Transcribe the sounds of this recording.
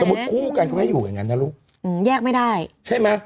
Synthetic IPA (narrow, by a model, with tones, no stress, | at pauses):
smu˨˩t̪̚kʰuː˥˩ka˧nkɔː˥˩ha˥˩juː˨˩ja̰˨˩ŋa˦˧˦nːa˦˥luː˦˥˩k̚ | ʔɯː˧˩jɛː˥˩k̚ma˥˩jda˥˩jt͡ɕʰa˥˩jma˦˥